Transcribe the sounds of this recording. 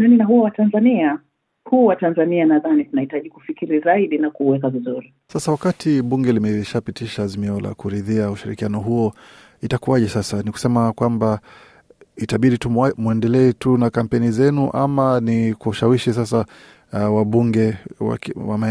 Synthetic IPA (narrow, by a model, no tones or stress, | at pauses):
naninaɦuɔwatanzania | huːwatanzanianaðanitunahitaʄikufikiɾizaiɗinakuwɛkavizuɾi | sasawakatʰiɓuŋɡɛlimɛʃapitiʃaːzimiɔla̰kuɾiðiauʃiɾḭkianɔɦuɔ | itakuaʄɛsasaniku̥sɛmakwamba | itaɓiɗitumwɛndɛlɛːtunakam̩pɛnizɛnuʔa̰manikuuʃawiʃis̬asa | waɓuŋɡɛwa̰wa̰m